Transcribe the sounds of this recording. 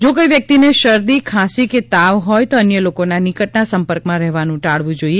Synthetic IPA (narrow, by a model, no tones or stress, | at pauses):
d͡ʒokojʋjək̚t̪ineʃəɾd̪ikʰãsiket̪aʋɦɔjt̪oənjəlokonanɪkəʈnasəmpəɾkmãɾɛɦʋanũʈaɭʋũd͡ʒoie